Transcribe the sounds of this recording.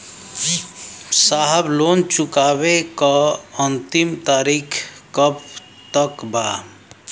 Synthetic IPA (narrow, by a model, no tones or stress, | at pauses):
saːɦəbloːnt͡ʃʊkaːbekaənt̪imt̪aːɾiːkʰkəp | t̪əkbaː